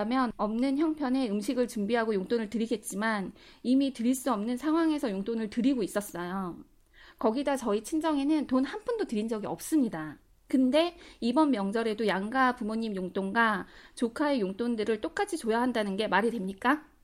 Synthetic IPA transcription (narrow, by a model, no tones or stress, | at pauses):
amjʌnʌmnɯnçjʌŋpʰjʌne̞ɯmɕʰiɡɯɭt͡ɕumbiɦaɡojoŋt͈onɯɭtɯɾiɡe̞t̚t͡ɕ͈imanimitɯɾiɭs͈uʌmnɯnsʰaŋɦwaŋe̞sʰʌjoŋt͈onɯɭtɯɾiɡois͈ʌs͈ʌjo | kʌɡidat͡ɕʌit͡ɕʰind͡ʑʌŋe̞nɯntonhanpʰundotɯɾind͡ʑʌɡiʌp̚s͈ɯmɲida | kɯnde̞ibʌnmjʌŋd͡ʑʌɾe̞dojaŋɡapumoɲimjoŋt͈oŋɡat͡ɕokʰaejoŋt͈ondɯɾɯɭt͈ok͈at͡ɕʰit͡ɕojaɦandanɯnɡe̞maɾidwe̞mɲik͈a